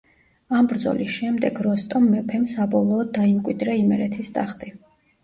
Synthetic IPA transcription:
ambɾd̪zɔ̰lisʃɛmd̪ɛɡɾɔst̪ʼɔmːɛpʰɛmsabɔlˠɔːd̪ːaimkʼwid̪ɾɛimɛɾɛt̪ʰist̪ʼaχt̪ʼi

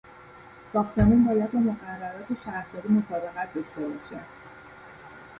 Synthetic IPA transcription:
sɒːxt̪ʰe̞muːnbɒːjæd̪̚bemo̞ɣærːæɾɒːt̪ʰeʃæɾhd̪ɒːɾimot̪ʰɒːbe̞ɣæt̪̚ʰd̪oʃt̪ebɒʃe

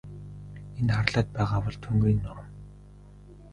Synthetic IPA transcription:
enχarɮaːt̪̚pæːʁaːpɔɮt̪ʰuŋɡuːnːʊm

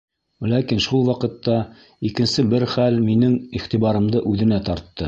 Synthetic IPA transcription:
lækinʃulˠwɑqɤ̆t̪ːɑ | ikɘ̆nsɘbɘɾχælminɘŋiχt̪iβɑɾɤ̆md̪ɤʔʉðɘ̆næt̪ɒɾt̪ːɤ

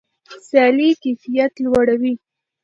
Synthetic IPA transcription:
sjɑlikefijat̪lwaɽawi

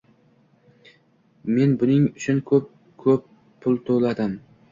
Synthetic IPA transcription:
me̞nbʊnɪŋʊt͡ʃʰʊnkʰɵp̚ | kʰɵpːʰ | ʊlˠt̪ʰolad̪ɪm

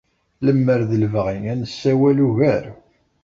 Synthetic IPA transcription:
ləmːəɾðəlvəʁiŋænəsːæwæluʝæɾ

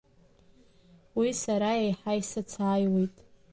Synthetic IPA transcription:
wisaɾaejħajsat͡sʰaːjwe̞jtʼ

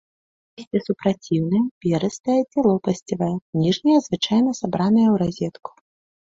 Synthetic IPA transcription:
isʲtʲɛsupɾat͡sʲiwnɐjɐvʲɛɾɐst̪ɐjɛd͡zʲɛlˠɔpɐsʲt͡sʲivɐjɐnʲiʐnʲɐjɐzvɨt͡ʂajnɐsabɾanɐjɐwɾazʲɛt̪ku̥

